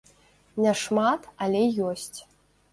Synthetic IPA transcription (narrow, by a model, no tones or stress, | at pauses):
nʲɛʂmat̪alʲɛjɔsʲt͡sʲ